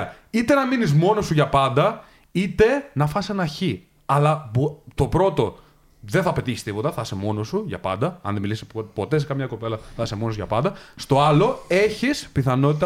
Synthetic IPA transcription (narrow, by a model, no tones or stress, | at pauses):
it̪e̞nɐminizmo̞no̞suʝɐpɐnd̪ɐ | it̪e̞nɐfɐsenɐçi | ɐlɐbot̪o̞pɾo̞t̪o̞ | ðeθɐpe̞t̪içi̥st̪ipo̞t̪ɐθɐse̞mo̞no̞suʝɐ̰pɐ̰nd̪ɐɐ̰nðemilisipo̞t̪e̞se̞kɐmɲɐko̞pe̞lɐθɐsemo̞nosuʝɐpɐnd̪ɐst̪o̞ɐlo̞e̞çispiθɐno̞t̪it̪